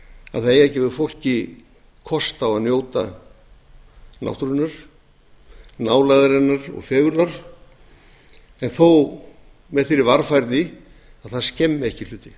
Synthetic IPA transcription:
a̰ðθaðejɛhcɛvʏfowl̥cɪ | kʰɔst̪awaðnjoːwt̪a̰ | na̰wht̪ɾʏnːaɾ̥ | naːwlajðaɾɛnːaɾɔ̰ɣfɛːɣʏɾðaɾ̥ | ɛnθow | mɛðθɪɾɪvaɾfajɾðɪ | aðθaðscɛmːɪɛhcɪlʏːt̪ɪ

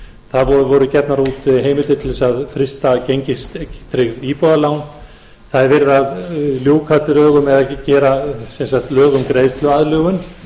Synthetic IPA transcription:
θaðvɔvɔɾʏcɛpnaɾuːt̪ɦeːjmɪlt̪ɪt̪ʰɪlsaðfɾɪst̪acejɲcɪst̪t̪ɾɪɣipɔðalawn | θaðɪɾvɪɾaðljuːwkʰat̪ɪɾœːɣʏmɛðacɛːɾasɛnsaht̪lœːɣʏmkɾeːjst̪lʏaðlœːɣʏn

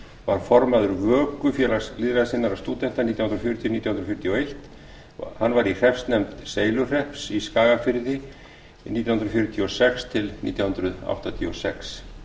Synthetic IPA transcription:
vaɾ̥fɔɾmaðʏɾvœːkʏfjɛːlaliːðɾaðsɪnːaɾast̪uːt̪ɛnt̪aniːt̪jahnɾfjʏɾʏt̪ʰjniːjahnɾfjʏɾt̪ʰiɔejht̪ | hanːvaɾir̥ɛfst̪nɛmt̪seːjlʏr̥ɛhpsiskaːɣafɪɾðɪ | niːt̪jahʏnɾʏfjʏɾʏt̪ʰiɔsɛkst̪ʰɪlnḭːt̪jawhʏnɾʏða̰wht̪at̪ʰiɔsɛks

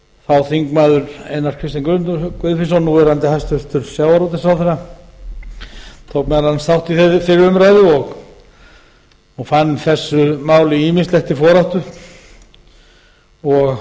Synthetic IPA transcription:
θawθiŋkmaːðʏɾejnaɾ̥kʰvɪst̪ɪŋkʏkʏðfɪsanuɛɾant̪ɪhajst̪ʏɾ̥t̪ʏɾ̥sjawvaɾɔt̪ɪ̥sawθɛnːa | t̪ʰowkmɛɾanst̪awht̪iθefɪɾʏmɾajðɪɔɣ | ɔɣfanːθɛsːʏmaːwlɪiːminst̪lɛxt̪ifɔːɾaht̪ʏ | ɔɣ

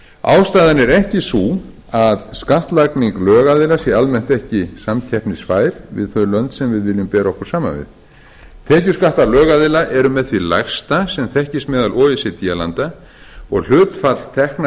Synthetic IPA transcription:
a̰ːwst̪aːðanɛɾɛhcɪsu | aðskaht̪lakniŋklœːɣaðɪlasjɛalmɛn̥t̪ɛhcɪsamcʰɛhpnɪsfaːjɾ̥vɪ̰ðθœɥlœnt̪sɛmvɪðvɪljʏmpɛːɾaɔhkʏɾsaːma̰nvɪ̰ð | t̪ʰɛːcʏ̥skaht̪alœːɣaðɪlaʔɛɾʏmɛðθvila̰xst̪asɛmθɛhcɪst̪mɛːðalɔːvɪsɪt̪iala̰nt̪a | ɔɣl̥ʏːt̪fat̪lt̪ʰɛhkna

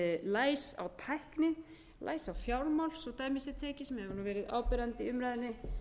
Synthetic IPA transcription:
laːjsa̰wt̪ʰajhknɪ | lʔa̰ːjsawfjawlmawlsɔt̪aːjmɪsɪt̪ʰɛːcɪsmɛɛvɪɾnuvɛːɾɪða̰ːwpʏɾant̪iʏmɾajðɪnːɪ

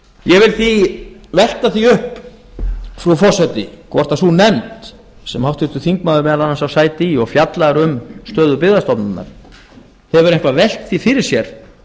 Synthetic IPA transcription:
jɛvɪlθivɛl̥t̪aθiʏhp | fɾufɔrsɛt̪ɪkʰvɔr̥t̪aθunɛmt̪ | sɛmhawt̪ʏɾ̥t̪ʏθiŋkmaðʏɾmɛːalanːansawsaːjt̪ɪiɔɣfjat̪laɾʏmst̪œːðʏpɪɣðast̪ɔpnanːa̰ɾ̥ | θɛvʏɾejŋkvavɛl̥t̪θifɪɾɪɾ̥sjɛɾ̥

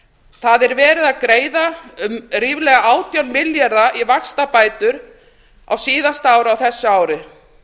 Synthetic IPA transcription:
θaðɛɾvɛːɾɪðaðkɾeːjða | riːvlɛːɣaaːwt̪janmɪljaɾðaʔivaxst̪apaːjt̪ʏɾ | a̰wsiːðast̪aːwɾɪawθɛsːʏaːwɾɪ

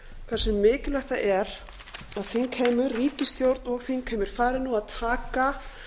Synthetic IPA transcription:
kʰvɛɾsɛmːɪːcɪlajxt̪aʔɛɾ̥ | aðθejnkʰɛːmʏɾriːcɪst̪jowɾt̪nɔɣθenkʰɛːmɪɾ̥faːɾɪnuaðt̪ʰaːka

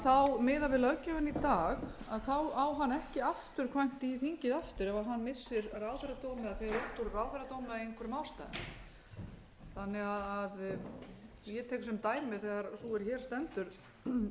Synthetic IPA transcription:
θawmɪːðavɪlœcːavʏnit̪aːxaðθawawɦanːɛhcɪaft̪ʏɾ̥kʰvajŋ̥t̪iθiɲcɪðaft̪ʏɾɛvaɦanːmɪsːɪɾrawðθɛɾat̪oːwmɪðafɛɾɾut̪ːuɾraːwðθɛɾat̪oːwmɪðaejnŋkʰɛɾʏmaːwst̪a̰jðn | θanːɛɣaðað | jɛt̪ʰɛːjksɛmt̪aːjmmɪθɛɣaɾsuɛɾçɛːɾ̥st̪ɛnt̪ʏɾ̥

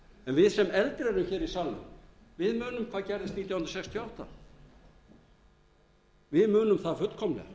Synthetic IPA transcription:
ɛnvɪðsɛmɛlt̪ɾɛɾʏmçɛːɾisalmʏ̰ | vɪðmʏːnʏmkʰv̥aːðcɛɾðɪst̪niːt̪jawʏnɾɔsɛkst̪ʰjɔawht̪a̰ | vɪðmʏːnʏmθaðfʏt̪kʰɔmlɛ̰̥

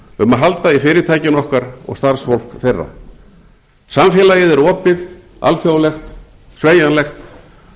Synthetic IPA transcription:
ʏmaɦalt̪aifɪːɾɪt̪ʰaːjcɪnɔhkaɾɔ̰ɣst̪aɾsfowl̥kθejrːa̰ | samfjɛːlajɪðɛɾɔːpɪð | a̰lfjawlɛxt̪ | sveːjanlɛxt̪

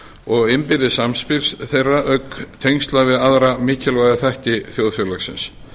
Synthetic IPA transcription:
ɔɣɪmpɪɾɪsamspɪɾ̥sθejrːaʔœkt̪ʰejŋst̪lavɪðaðɾamɪːcʰɪlvajðɪθɛht̪ɪθjowðfjœlaxsɪ̰ns

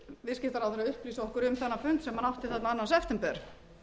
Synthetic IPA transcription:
vɪðscɪht̪aɾawθɾaʏhpliːsaɔhkʏɾʏmθɛnːafʏnt̪sɛmhanafht̪ɪθɛt̪naanːasɛft̪ɛmpɛɾ̥

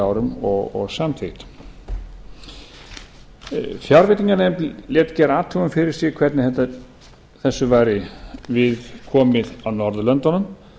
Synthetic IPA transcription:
aːwɾʏmɔɣɔ̰ɣsamθɪt̪ | fjaɾvɪt̪iŋkanɛmljɛːt̪cɛːɾaːt̪ʰuɣʏmfɪɾɪɾ̥sjɪɣkʰv̥ɛɾt̪nɪhɛt̪a | θɛsːʏvaːjɾɪvɪðkʰɔːmɪðawnɔɾðʏlœnt̪ɔnʏm

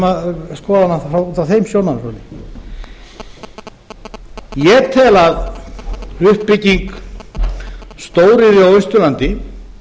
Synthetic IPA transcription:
aðskɔːðanafɾawuːt̪aθejmsjoːwnaɾɾɔlɪ | jɛt̪ʰɛːlað | ʏhpːɪcːiŋk | st̪oːwɾɪðɪawʏst̪ʏlant̪ɪ

